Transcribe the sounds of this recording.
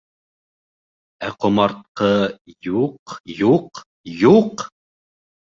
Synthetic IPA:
æqŏmɑɾt̪̚qɤjuqjuq | juq

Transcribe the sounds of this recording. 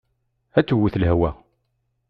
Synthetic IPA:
æt͡sːwːuθlhwæ

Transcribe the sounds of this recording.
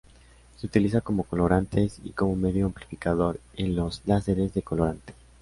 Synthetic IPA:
se̞ut̪ilis̬ako̞mo̞ko̞lo̞ɾant̪e̞sḭko̞mo̞me̞ðjoamplifikaðo̞ɾenlo̞zlase̞ɾe̞zðe̞ko̞lo̞ɾant̪e̥

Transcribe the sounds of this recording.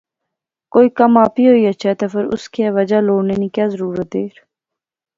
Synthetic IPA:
koːiːkəmaːpiːɦoːiːətːʃʰɛːt̪afəɾʊ̰skiɛːʋəd͡ʒaːloːɽneːnĩːkjaːzəɾuːɾət̪̚d̪eːɾ

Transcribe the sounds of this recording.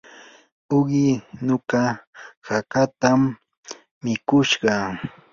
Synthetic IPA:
ʊɢɪnokahakat̪amː | ɪkʊʃɢɑ

